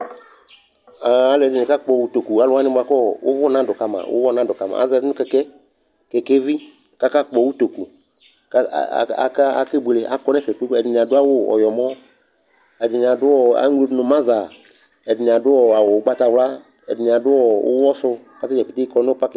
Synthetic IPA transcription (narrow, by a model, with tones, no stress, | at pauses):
a˨a˨lɛ˨dɪ˨nɪ̃˨ka˦k͡pɔ˨wu˦t̪o˨ku˨a˨lʊ˦a˦nɪ̃˦bʊ˨a˨kɔ˦˨wʊ̰˦vʊ˦˨nã˦dʊ˨ka˨mã̰˨wʊ̰˦wɔ˦nã˦dʊ˨ka˨ma̰˨a̰˨˦zɛ˨˦nʊ̃˦kɛ˦kɛ˦ | kɛ˨ke˦vi˦ | ka˦ka˦k͡pɔ˨wu˦t̪o˨ku˨ | ka̰˦˨a̰˨ka˦a˨ke˦be˨le˨ʔa̰˨kɔ˦nɛ̃˦fɛ˨k͡po˦kɛ˨ɪ˨n˨a˨dʊ˦a˦wʊ˦ɔ̰˨jɔ˨mɔ̃˦ | ɛ˨dɪ˨nɪ̃˨a˨dʊ˦ɔ˦˨a̰˨˦ŋ˦lo˦dnʊ̃˨mã˦za˨ | ɛ˨dɪ˨nɪ̃˨a˨dʊ˦wɔ˨a˨wo˨˦ɡ͡ba˦t̪a˨wla˦ | ɛ̰˨dɪ˨nɪ̃˨a˨dʊ˦ɔ˨wʊ̰˦wɔ˦sʊ˦˨ka˨˦t̪a˦d͡ʒɛ˨pi˨t̪e˦kɔ˦nɛ̃˦o˦pa˦k